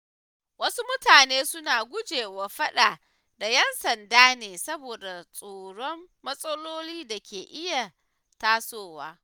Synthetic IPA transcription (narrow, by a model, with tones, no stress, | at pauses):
wɐ˦su˦mʊ˦taː˨neː˦sʊ˦naː˨ɡʷʊ˦d͡ʒeː˨wa˨ɸɐ˦ɗaː˨ | da˨jɛ˦nsɐ˨ndaː˦neː˨sɐ˦boː˨da˨sʼoː˨ɽɔ˦mːɐ˦sʼɐ˦loː˦liː˦da˨kʲeː˨ʔɪ˦ja˨ | taː˦soː˦˨waː˦